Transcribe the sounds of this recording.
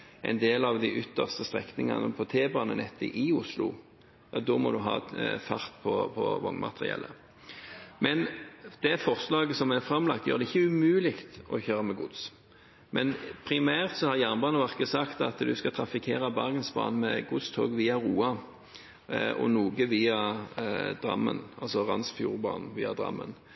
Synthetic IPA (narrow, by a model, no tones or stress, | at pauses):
ʔɛɪnd̪eːlɑʋd̪ɪʔʏt̪ːəʁst̪əst̪ʁɛ̰knɪŋɑ̰nəpʰɔt̪ʰeːbɑːnənɛt̪ːə̰ʔɪʊslʊ̰ | jɑ̰ːd̪ɔːmɔ̰d̪ʉɦɑ̰ːfɑʁt̪pʰɔpʰɔ̰ʋɔ̰ŋmɑ̰t̪əʁɪ̰ɛ̰lːə̰ | mɛnd̪̥ɛfɔʁslɑːɡəsɔmɛʁfʁɑmlɑ̰k̚t̪jøːʁd̪ɛɪçːəʉmʉːlɪkt̪ɔçøːʁəmɛɡʊd̪s | mʔɛnpʰʁɪmæːʁt̪sɔhɑʁjæːʁnbɑːnəʋɑʁkəsɑkt̪ɑ̰t̪d̪ʉskɑt̪ʰɾɑfɪkʰeːɾɑbɑʁɡənsbɑ̰ːnmɛɡʊd̪st̪ʰoːɡʋiːɑʁuːɑ | ʔɔ̰nuːɡəʋiːɑ | d̪̥ʁɑ̰mːə̰nɑlsɔʁɑnsfjṵːʁbɑ̰ːnn̩ʋiːɑd̪ʁɑ̰mːə̰n